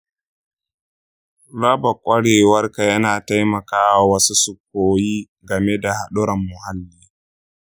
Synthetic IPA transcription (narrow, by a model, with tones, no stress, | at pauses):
ɽa˦bɐ˨kʷʼɐ˦ɽeː˨wɐ˦rka˨jɐ˦naː˨ta˦jmɐ˨kaː˦wa˨wɐ˦su˦sʊ˨kːoː˨˦jiː˦ | ɡɐ˨me˦da˨ha˨ɗʊ˦ɾɐ˨mːʊ˨ha˦lːiː˦